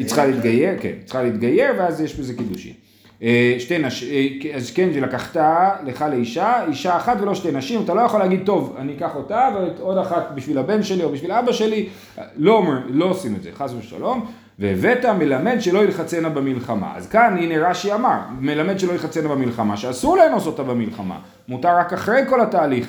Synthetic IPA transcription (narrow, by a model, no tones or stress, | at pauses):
it͡sχaleit̪ɡajeʁkḛnit͡sχaleit̪ɡaje̞ʁveazjeʃbezekiduʃḭm | eʃtenaʃiazkenʃelakaχtaleχaleiʃaiʃaːχatveloʃte̞jnaʃimat̪alo̞jaχoleaɡid̚t̪o̞va̰nikaχo̞taveeto̞daχatbiʃvilabe̞ntʃe̞lio̞biʃvilaabaʃe̞li | lo̞omʁimlo̞osimedzeχasbeʃa̰lo̞m | vevetamelame̞dʃe̞lo̞ilχat͡se̞nabemilχama̰a̰zkanineʁaʃiamaʁmelame̞dʃelo̞iχat͡senabemilχama̰ʃeasuʁlenosotabemilχama̰ | mutaʁːakaχʁe̞jko̞lataːliχ